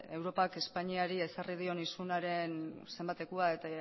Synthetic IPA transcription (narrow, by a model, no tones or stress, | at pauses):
e̞wɾo̞pake̞spaɲiaɾie̞sarið̞io̞nisunaɾe̞nse̞mbat̪e̞kuae̞t̪a